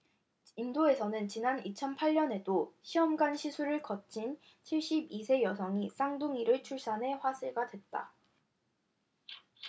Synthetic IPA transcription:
indoe̞sʰʌnɯnt͡ɕinanit͡ɕʰʌnpʰaʎːʌne̞doɕʰiʌmɡanɕʰisʰuɾɯɭkʌt͡ɕ͈ʰin | t͡ɕʰiɭɕ͈ibisʰe̞jʌsʰʌŋis͈aŋdoŋiɾɯɭt͡ɕʰuɭs͈anɦe̞ɸwasʰeɡadwe̞t̚t͈a̰

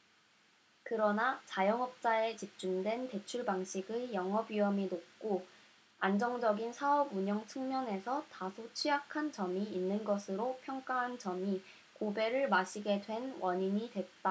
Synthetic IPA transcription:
kɯɾʌnat͡ɕajʌŋʌp̚t͡ɕ͈ae̞t͡ɕip̚t͡ɕ͈umdwe̞nte̞t͡ɕʰuɭbaŋɕʰiɡɯjʌŋɦʌbɥiʌminok̚k͈o | and͡ʑʌŋd͡ʑʌɡinsʰaʌbuɲʌŋt͡ɕʰɯŋmjʌne̞sʰʌtasʰot͡ɕʰijakʰant͡ɕʌmiːnːɯnɡʌsʰɯɾopʰjʌŋk͈aɦant͡ɕʌmi | kobe̞ɾɯɭmaɕʰiɡe̞dwe̞nwʌɲiɲidwe̞t̚t͈a

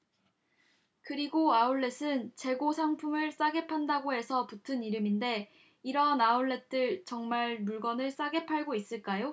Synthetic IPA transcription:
kɯɾiɡoauɭːe̞sʰɯnt͡ɕe̞ɡosʰaŋpʰumɯɭs͈aɡe̞pʰandaɡoɦe̞sʰʌputʰɯniɾɯminde̞ | iɾʌnauɭːe̞t͈ɯɭt͡ɕʌŋmaɭmuɭɡʌnɯɭs͈aɡe̞pʰaɭɡois͈ɯɭk͈ajo

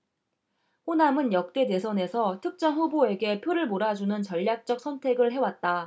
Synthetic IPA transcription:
ɸonamɯnjʌk̚t͈e̞de̞sʰʌne̞sʰʌtʰɯk̚t͡ɕ͈ʌnɸuboe̞ɡe̞pʰjoɾɯɭmoɾad͡ʑunɯnt͡ɕʌʎːak̚t͡ɕ͈ʌk̚sʰʌntʰe̞ɡɯɭɦe̞wat̚t͈a

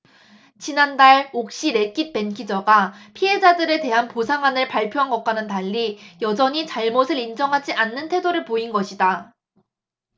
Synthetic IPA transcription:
t͡ɕinandaɭok̚ɕ͈iɾe̞k͈it̚p͈e̞nkʰid͡ʑʌɡapʰiɦe̞d͡ʑadɯɾe̞te̞ɦanposʰaŋanɯɭpaɭpʰjoɦanɡʌk̚k͈anɯntaʎːijʌd͡ʑʌɲit͡ɕaɭmosʰɯɾind͡ʑʌŋɦad͡ʑiʔanːɯntʰe̞doɾɯɭpoinɡʌɕʰida

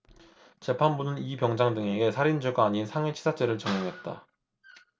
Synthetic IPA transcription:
t͡ɕe̞pʰanbunɯnipjʌŋd͡ʑaŋdɯŋe̞ɡe̞sʰaɾind͡ʑoɡaːɲinsʰaŋwet͡ɕʰi̥sʰat͡ɕ͈e̞ɾɯɭt͡ɕʌŋjʌŋɦe̞t̚t͈a̰

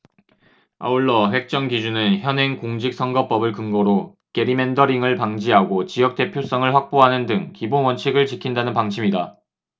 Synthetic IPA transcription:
a̰uɭːʌɸwe̞k̚t͡ɕ͈ʌŋɡid͡ʑunɯnçjʌnɦe̞ŋkoŋd͡ʑik̚s͈ʰʌŋɡʌp͈ʌbɯɭkɯŋɡʌɾo | ke̞ɾime̞ndʌɾiŋɯɭpaŋd͡ʑiɦaɡot͡ɕijʌk̚t͈e̞pʰjos͈ʌŋɯɭɸwak̚p͈oɦanɯndɯŋkibonwʌnt͡ɕʰiɡɯɭt͡ɕikʰindanɯnpaŋt͡ɕʰimida

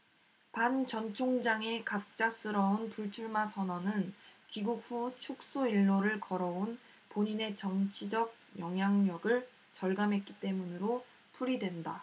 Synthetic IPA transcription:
pant͡ɕʌnt͡ɕʰoŋd͡ʑaŋe̞kap̚k̚t͡ɕ͈as͈ɯɾʌonpuɭt͡ɕʰuɭmasʰʌnʌnɯnkiɡuk̚ɸut͡ɕʰuk̚s͈oiɭːoɾɯɭkʌɾʌon | poɲine̞t͡ɕʌŋt͡ɕʰid͡ʑʌɡ̚jʌŋjaŋɲʌɡɯɭ | t͡ɕʌɭɡamɦe̞t̚k͈it͈e̞munɯɾo | pʰuɾidwe̞nda

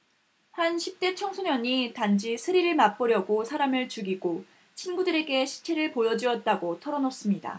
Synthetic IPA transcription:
hanɕʰip̚t͈e̞t͡ɕʰʌŋsʰoɲʌɲitand͡ʑisʰɯɾiɾɯɭmap͈ʌɾjʌɡosʰaɾamɯɭt͡ɕuɡiɡo | t͡ɕʰinɡudɯɾe̞ɡe̞ɕʰi̥t͡ɕʰe̞ɾɯɭpojʌd͡ʑiʌt̚t͈aɡotʰʌɾʌnʌs͈ɯmɲida̰

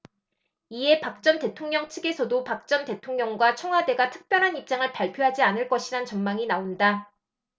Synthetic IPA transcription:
ie̞pak̚t͡ɕ͈ʌnte̞tʰoŋɲʌŋt͡ɕʰɯɡe̞sʰʌdopak̚t͡ɕ͈ʌnte̞tʰoŋɲʌŋɡwat͡ɕʰʌŋɦade̞ɡatʰɯ̥k̚p͈jʌɾɦanip̚t͡ɕ͈aŋɯɭpaɭpʰjoɦad͡ʑianɯɭk͈ʌɕʰiɾant͡ɕʌnmaŋinaonda

